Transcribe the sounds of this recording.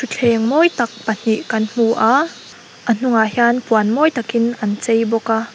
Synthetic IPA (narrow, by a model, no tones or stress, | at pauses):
tʰut͡ɬʰɛŋmɔjt̪ɐk̚pən̥iʔkɐnm̥uʔa | ʔən̥uŋahjaːnpuɐnmɔjt̪ɐkinʔɐnt͡sejbɔka